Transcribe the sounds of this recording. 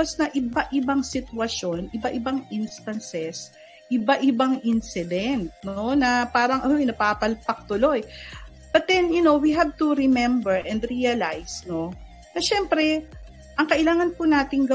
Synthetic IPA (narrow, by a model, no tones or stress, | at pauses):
osnɐʔɪbaʔɪbɐŋsɪt̪wɐʃjo̞nʔɪbɐʔɪbaŋʔɪnst̪ɐnsɛs | ʔɪbaʔɪbaŋʔɪnsɪd̪ɛnt̪̚no̞nɐpaːɾɐŋʔɐnojnɐɡ̚papɐlpɐk̚t̪ʊlo̞j | b̥ɐt̪̚d̪ɛnjʊno̞wiɦav̚t̪uɾɪmɛmbɛɹʔɛ̃nd̪ɾiɐlajsno̞ | nɐʃɛmpɾɛ | ʔɐŋkɐʔɪlaːŋɐnpʊnaːt̪ɪŋɡɐ